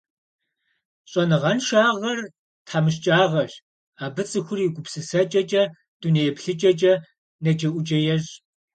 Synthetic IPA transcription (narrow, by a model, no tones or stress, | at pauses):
ɕʼɐnɨʁɐnʃaːʁɐr | tʰħaːmɨɕ̬t͡ʃʼaːʁɐɕ | aːbɨt͡sʼɨxʷʊriɡʷʊpsɨsɐt͡ʃʼɐt͡ʃʼɐ | d̥unejɛpɬɨt͡ʃʼɐt͡ʃʼɐ | nɐd͡ʒɐʔʷʊt͡ʃʼɐjɛɕ